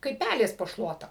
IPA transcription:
kɐɪp ˈpʲælʲeːs poː ˈʃlˠuɔtɐ

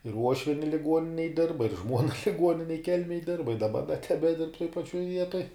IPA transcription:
ɪr ˈuɔʃʲʋʲiɛnʲɪ lʲɪˈɡuɔnʲɪnʲeːj ˈdʲɪrbɐ ɪr ˈʒmuɔnɐ lʲɪˈɡuɔnʲɪnʲɛj ˈkʲɛlʲmʲeːj ˈdʲɪrbɐ ɪ dɐˈbɐ dɐ tʲɛbʲɛˈdʲɪrp toːj pɐˈt͡ʃʲuɔj ˈʋʲiɛtoːj

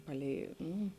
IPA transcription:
ˈpɑːˌlʲɛɪ ˈnuː

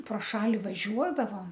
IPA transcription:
proː ˈʃɑːlʲɪ ʋɐˈʒʲuɔdɐʋoːm

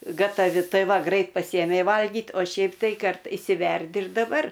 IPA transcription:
ɡɐtɐˈʋʲɪ ˈtɐɪ ˈʋɐ ˈɡrɐɪt pɐˈsʲiːjɛmʲɛɪ ʋɐlʲˈɡʲiːt oː ˈʃʲɛɪp tɐɪ ˈkɐrt ɪʃʲsʲɪˈʋʲɛrʲdʲɪ ɪr dɐˈbɐr

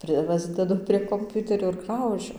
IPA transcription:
ˈprɨ ˈpɑːzʲdʲɛdʊ pʲrʲiɛ koːmʲˈpʲʊtʲɛrʲoː ɪr ˈɡrɐʊʒʲʊ

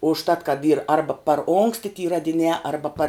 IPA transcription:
ʊʃˈtɐt kɐt iːr ˈɐrbɐ pɐr ˈoːŋksʲtʲɪ tʲiː rɐdʲɪˈnʲæː ˈɐrbɐ pɐr

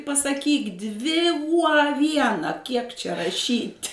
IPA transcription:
pɐsɐˈkʲiːk ˈdʲʋʲɪ uɔ ɐ ˈʋʲiɛnɐ kʲiɛk t͡ʃʲɛ rɐˈʃʲiːtʲ

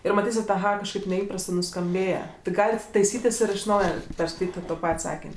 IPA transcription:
ˈɪr mɐˈtʲiːsʲɪt ɐˈɣɐ kɐʃˈkɐɪp nʲɛˈiːprɐstɜ nʊskɐmʲˈbʲeːjɛ tʲɪ ˈɡɑːlʲɪt tɐɪˈsʲiːtʲɪs ɪr ɪʃ ˈnɐʊjɛ pʲɛrskɐɪˈtʲiːtʲ ɪ toː ˈpɐtʲ ˈsɑːkʲɪnʲ

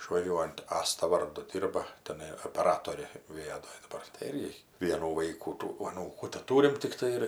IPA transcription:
ɪʃʋɐˈʒʲuɔjʊnt ˈɑːstɐ ˈʋɐrdʊ ˈdʲɪrbɐ tʲɛˈnɐɪ oːpʲɛˈrɑːtoːrʲeː ʋʲɪˈɑːdoːj dɐˈbɐr tɐɪ ˈɪrʲɡʲɪ ˈʋʲiɛnuː ˈʋɐɪkuː tuː ɐˈnuːkuː tʲɛˈtuːrʲɪm tʲɪkˈtɐɪ ɪr

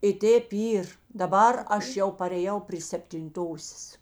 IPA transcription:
ɪ ˈtʲeːp ˈiːr dɐˈbɐr ˈɐʃ ˈjɛʊ pɐrʲeːˈjɛʊ pʲrʲiː sʲɛpʲtʲɪnˈtoːsʲeːs

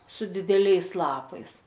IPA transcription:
sʊ dʲɪdʲɛˈlʲɛɪs ˈlˠɑːpɐɪs

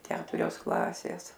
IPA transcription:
ˈkʲæːtʊrʲoːs ˈklˠɑːsʲeːs

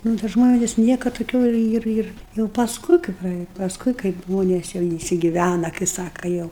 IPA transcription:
ˈnʊ tɐ ˈʒmoːnʲeːs ˈnʲiɛkɐt toːˈkʲuː ˈɪr ˈɪr ˈɪr jɛʊ pɐsˈkʊɪ kɐɪ prɐˈeːjɛ pɐsˈkʊɪ kɐɪp ˈʒmoːnʲeːs jɛʊ ɪnʲsʲɪɡʲɪˈʋʲænɐ kɐɪ ˈsɑːkɐ ˈjɛʊ

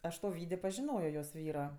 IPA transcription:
ˈɐʃ toː ˈʋʲiːdʲeː pɐʒʲɪˈnoːjoː joːs ˈʋʲiːroː

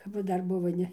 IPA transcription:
kɐp ˈʋɐ ˈdɐr ˈbʊʋoː ˈnʲɛ

